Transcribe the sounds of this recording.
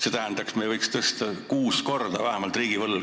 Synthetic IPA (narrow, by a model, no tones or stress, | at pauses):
se̞ːt̪æɦnd̪̥ɑksmejvɤjkst̪ɤst̪ɑkuːsko̞rd̪ɑvæhemɑlt̪ˑriːɡ̥ivɤlː